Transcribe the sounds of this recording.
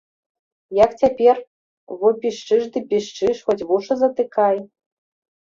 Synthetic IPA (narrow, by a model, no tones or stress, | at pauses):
jakt͡sʲapʲer | βopʲiʂt͡ʂɨʐd̪ɨpʲiʂt͡ʂɨʂxotʲβuʂɐzɐt̪ɨkaj